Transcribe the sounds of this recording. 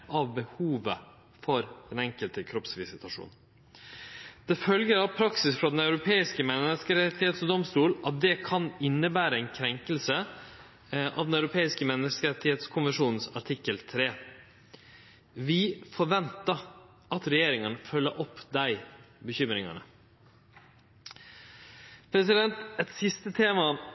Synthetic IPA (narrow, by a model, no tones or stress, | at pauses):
ʔɑʋbəhuːʋə | fɔɾd̪̥ɛnɛŋkəlt̪əkʰɾɔpsʋɪsɪt̪ɑʂṵːn̩ | d̪̥ɛfœlɡəɾɑʋpʰɾɑksɪsfɾɑd̪ɛnɑʉɾʊpʰeːɪskəmɛnːəskəɾɛt̪ːɪeːt̪sɔd̪ɔmst̪uːlʔɑt̪̚d̪ɛkʰɑnɪnːəbæːɾəɛɪnkʰɾɛŋkəlsə | ʔɑ̰ʋd̪nɑʉɾʊpʰeːɪskəmɛnːəskəɾɛt̪ɪheːt̪skʰʊnʋənʂuːnn̩sɑʈʰɪkːəlt̪ʰɾeː | ʋɪfɔɾʋɛnt̪ɑ | ʔɑt̪ɾɛjeːɾɪŋənəfœlːəɾʔɔpːd̪æɪ | bəçʏmɾɪŋɑ̰nə̰ | pʰɾɛsɪd̪ɛnt̪ɛt̪sɪst̪ət̪ʰeːmɑ